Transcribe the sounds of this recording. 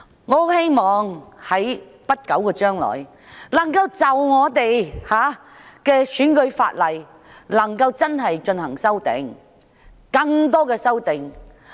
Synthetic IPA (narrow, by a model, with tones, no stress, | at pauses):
ŋɔ˨˧˥he˥jmɔː˨˩ŋhɐ˨˥j | pɐ˥t̚kɐ˨˥wkɔː˧t͡ʃœː˥ŋlɔ̰ː˨˩j | lɐ˨˩ŋkɐ˧wt͡sɐ˨˩wŋɔː˨˧t̪e˨jhaː˨˥ | kɛː˧syː˨˥nkɵ˨˧ɥfa̰ː˧t̚lɐ˨˩j | lɐ˨˩ŋkɐ˧wt͡sɐ˥nɦɐ˨jt͡ʃɵ˧nhɐ˨˩ŋsɐ˥wt̪ɪ̰˨˧ŋ | kɐ˧ŋt̪̬ɔː˥kɛː˧sɐ˥wt̪ɪ˨ŋ